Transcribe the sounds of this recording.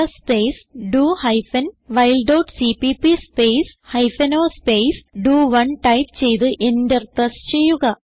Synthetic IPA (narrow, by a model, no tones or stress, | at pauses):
ɐspeːsɖuːhɐjfɐnʋɐjlɖɐwʈsipipispejshɐjfɐnoːspejsɖuːʋɐnʈɐjʈt͡ɕe̞jt̪ɨʔe̞ndert̪ɐst͡ɕe̞jːuɣɐ